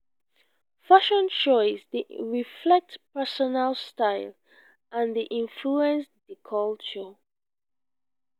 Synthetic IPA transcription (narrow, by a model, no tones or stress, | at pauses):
faʃɔ̃nt͡ʃɔɪsðiɹiflɛk̚tpɛsɔnalstaɪl | ʔãnðiʔĩɱfluɛ̃nsdikʰɔlt͡ʃə